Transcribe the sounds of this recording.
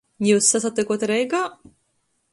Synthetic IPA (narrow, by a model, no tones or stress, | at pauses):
juːsːasat̪ːʲɛkuɔt̪ɾɛjɡaː